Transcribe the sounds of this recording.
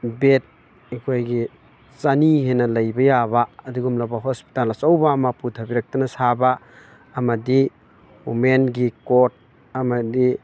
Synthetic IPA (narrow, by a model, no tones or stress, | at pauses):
bet̚ | ikʰojɡi | t͡ʃaniɦenɐlɐjbɐjabaːduɡumlɐbɐɦospi̥talɐsowbamaputʰɐbiɾɐk̚tɐnɐsabaː | mɐdi | umenɡikot̚ | ɐmɐdi